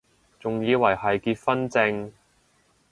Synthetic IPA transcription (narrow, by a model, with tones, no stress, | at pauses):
t͡sʊ˨˩ŋjiː˨˧wɐ˨˩jhɐ˨jkiː˧t̚fɐ˥nt͡sɪ˧ŋ